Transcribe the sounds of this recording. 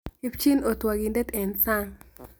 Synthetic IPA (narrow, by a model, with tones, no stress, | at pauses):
i˦pt͡ʃi˦no˨t̪wa˨ɡi˨ndɛ˦t̪ɛ˨nsa˦ŋ